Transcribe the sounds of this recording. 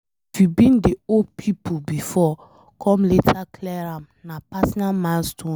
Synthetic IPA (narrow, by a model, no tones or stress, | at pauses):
fibĩndeod̚pʰipʰobifɔ | kʰɔ̃mletʰaklɛɾãm | napasnamãnstʰõ